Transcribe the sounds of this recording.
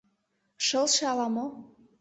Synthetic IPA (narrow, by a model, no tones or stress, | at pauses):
ʃəlʃeɑlɑmo